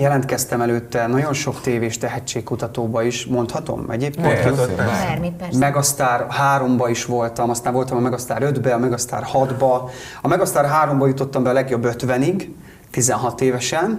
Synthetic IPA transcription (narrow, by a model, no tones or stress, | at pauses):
jɛlɛnt̪kɛst̪ɛmɛløːt̪ːɛnɒɟo̞nʃo̞kt̪eːveːʃt̪ɛɦɛt͡ʃːeːkkːut̪ɒt̪oːbɒiʃmo̞nt̪hɒt̪o̰mɛ̰ɟeːp̚keːmimɛɡɒst̪aːrhaːɾo̞mbɒiʃʋo̞lt̪ɒmɒst̪aːɱvolt̪ɒmɒmɛɡɒst̪a̰ːɾød̪bɛɒmɛɡɒst̪a̰ːrhɒd̪bɒ | ɒmɛɡɒst̪aːrɦaːɾo̞mbɒjut̪o̞t̪ːɒmbɛɒlɛɡjo̞bːøt̪ʋɛniɡ | t̪izɛnɦɒt̪eːvɛʃɛn